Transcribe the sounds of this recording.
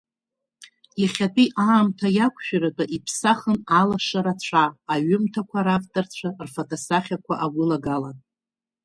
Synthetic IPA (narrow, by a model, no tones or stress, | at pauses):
iχʲatʼiʔaːmtʰajakʷʰʃᶣaɾatʼaʔipʰsaχənalaʂaɾat͡ɕʷʰaːɥʏmtʰakʷʰaɾaftʼart͡ɕʷʰarfotʰʼosaχʲakʷʰaʔaɡʷʊlaɡalanʼ